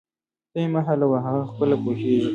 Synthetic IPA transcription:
t̪ejmaɦalawaɦaɣaxpəlapoʃeʒi

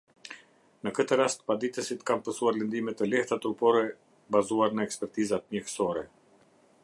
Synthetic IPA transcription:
nəkət̪əɾast̪pad̪it̪əsit̪kampəsuaɾlənd̪imɛt̪ɛlɛht̪at̪ɾupɔɾɛ | bazuaɾnəɛkspɛɾt̪izat̪̚mjɛhsɔɾɛ

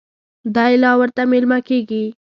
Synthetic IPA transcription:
d̪ɑjlɑwəɾt̪amɪlmakeɡi

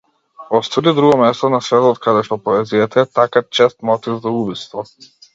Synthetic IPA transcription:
ɔst̪vɔlid̪ɾuɡɔmɛst̪ɔnasvɛt̪ɔt̪kad̪ɛʃt̪ɔpɔɛzijat̪aɛt̪akat͡ʃɛst̪mɔt̪ivzaubist̪vɔ

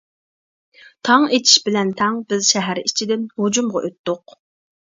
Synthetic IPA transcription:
t̪ʰɑŋet͡ʃ̪ʰi̥ʃbɪlɛnt̪ʰɛŋbɪzʃɛɦæɾit͡ʃʰid̪ɪnhud͡ʒumʁɑ̰ʔøt̪ːʊq

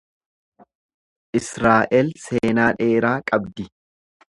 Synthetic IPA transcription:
ʔɪsɾaːʔɛlse̞ːnaːᶑe̞ːɾaːkʼɐbd̪ɪ

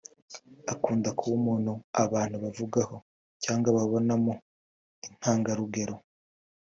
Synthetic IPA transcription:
akuːndakʰuumuːn̥huaβaːn̥huβavuɡaho̞ | caːŋɡaβaβo̞namo | in̥haːŋɡaɾuɡe̞ɾo

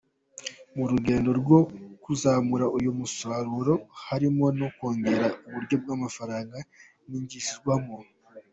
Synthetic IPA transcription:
muɾuɡe̞ːndo̞ɾɡo̞kuzamuɾaʔujumusaɾuɾo̞haɾimo̞no̞ko̞ːŋɡe̞ɾauβuɾɟo̞b̚ɡamafaɾaːŋɡa | niɲɟisiwamo

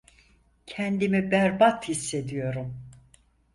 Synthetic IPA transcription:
cʰɛnd̪imibæɾbat̪hisːe̞d̪ijo̞ɾum

